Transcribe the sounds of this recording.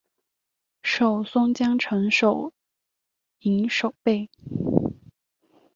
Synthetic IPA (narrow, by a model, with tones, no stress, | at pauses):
ʂo˨˩ʊsʊ˥ŋt͡ɕjɑ˥ŋʈ͡ʂʰɤ˧˥ŋʂo˨˩ʊ | i˧˥ŋʂo˨˩ʊpe˥˩ɪ